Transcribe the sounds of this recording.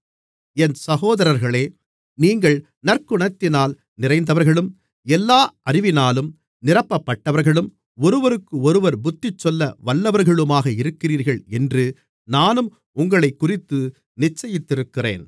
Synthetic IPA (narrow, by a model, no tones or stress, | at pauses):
ɛnsɐɣoːðɐɾɐɾɣɐɭeː | niːŋɡɐɭ | nɐrkʊɳɐt̪ːɪnaːl | nɪrɐɪnd̪ɐʋɐɾɣɐɭɯm | ɛlːaːʔɐrɪʋɪnaːlɯm | nɪrɐpːɐpːɐʈːɐʋɐɾɣɐɭɯm | ɔɾɯʋɐɾɯkːɯɔɾɯʋɐɾbʊt̪ːɪt͡ʃːɔlːɐʋɐɭːɐʋɐɾɣɐɭɯmaːɣɐɪɾɯkːɪriːɾɣɐɭɛndrɯ | naːnɯm | ʊŋɡɐɭɐɪkːʊrɪt̪ːɯ | nɪt͡ʃːɐjɪt̪ːɪɾɯkːɪrḛːn